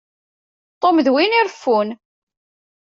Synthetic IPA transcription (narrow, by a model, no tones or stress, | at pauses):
t̪ˤːomðwiniɾfːun